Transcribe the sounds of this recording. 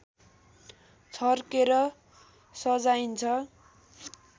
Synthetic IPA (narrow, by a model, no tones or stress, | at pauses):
t͡sʰʌrkeɾʌ | sʌd͡zajint͡sʰʌ